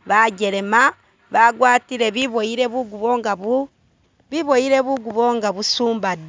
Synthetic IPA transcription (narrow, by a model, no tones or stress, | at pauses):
βaɟeɾema | βaɡwaːtiɾeβiβoiɾeβuɡuβoːŋɡaβu | βiβoiɾeβuɡuβoːŋɡaβusuːmbad